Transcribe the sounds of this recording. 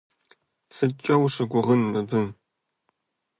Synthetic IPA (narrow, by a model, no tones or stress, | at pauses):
sɨt͡ʃʼɐwʂɨɡʷʊʁənːɨbɨm